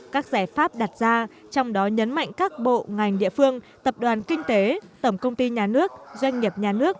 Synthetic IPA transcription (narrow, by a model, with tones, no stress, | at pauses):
kaː˦˥k̚zaː˧˩jfaː˦˥p̚ɗa˨˩t̚z̥aː˧ | t͡ɕɔ˧wŋ͡mɗɔ˨˦ɲə˨˦nma̰˧˨jŋ̟kaː˦˥k̚ɓo̰˧˨ŋa˨˩jŋ̟ɗḭ˧˨əfɨ˧əŋ | t̪ə˨˩p̚ɗwaː˨˩nkï˧ŋ̟t̪e˨˦t̪ə˧˩ŋ͡mkə˧wŋ͡mt̪i˧ɲaː˨˩nɨ˦˥ək̚zwa˧jŋ̟ŋi˨˩əp̚ɲaː˨˩nɨ˦˥ək̚